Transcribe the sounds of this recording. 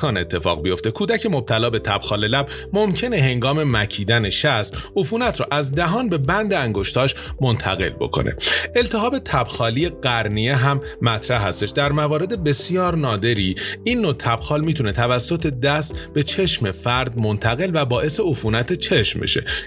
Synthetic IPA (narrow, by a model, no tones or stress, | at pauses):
ɒːne̞t̪ʰːe̞fɒ̰ːɣbijo̞ft̪e̞kʰuːd̪æcʰe̞mob̚t̪ʰælɒːbe̞t̪ʰæb̥xɒːle̞læb | momcʰe̞ne̞ɦe̞ŋɡɒːme̞mæcʰiːd̪æne̞ʃæst̪ufuːnæt̪ʰɾɔːʔæzd̪æɦɒːnbe̞bænd̪eæŋɡo̞ʃt̪ʰɒːʃmo̞nt̪ʰæ̰ɣe̞̰lbo̞̰kʰo̰nʔḛe̞lt̪ʰeɦɒːbe̞t̪ʰæb̥xɒːlijeɢæɾnijeɦæmːæt̪ʰɾæhɦːæst̪e̞ʃd̪æɾmævɒːɾe̞d̪e̞be̞sijɒːɾnɒːd̪e̞ɾiːinːot̪ʰæb̥xɒːlmiːt̪ʰune̞t̪ʰævæsːo̞t̪ʰe̞d̪æst̪be̞t͡ʃʰe̞ʃme̞fæɾd̪̚mont̪ʰæɣe̞lvæbɒːʔe̞se̞ufuːnæt̪ʰet͡ʃʰe̞ʃmbḛʃe̞̰